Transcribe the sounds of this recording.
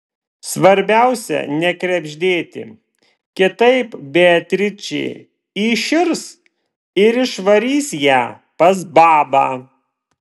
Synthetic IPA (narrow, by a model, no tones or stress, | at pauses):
sʋɐɾʲbʲæʊsʲɛ̰nʲɛkɾʲɛbʲʒʲd̪ʲeːt̪ʲɪ̰ | kʲɪt̪ɐɪpbʲeɐt̪ʲɾʲɪt͡ʃʲɛ̰ɪ | iːʃʲɪɾs | ɪɾɪʃʋɐɾʲiːsjæː | pɐs̬bɑːbɑː